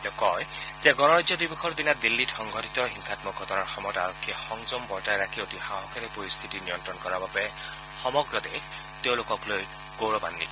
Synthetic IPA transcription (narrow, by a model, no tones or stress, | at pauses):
tɔkɔjzɛɡɔnɔɹajzɔdibuxʰɔɹd̪inatd̪ilːitxɔŋɡʱɔtʰitɔɦiŋkʰatmɔɡʱɔtɔnaɹxɔmɔjɔtaɹɔkʰːiɛxɔŋzɔmbɔɹtajɹakʰiotixaɦɔkʰɛtɛpoɹist̪ʰitinijɔntɹɔnkɔɹababɛ | xɔmɔɡɹɔd̪ex | teʊ̃lokɔkloj | ɡ̥owɹɔba̰nːit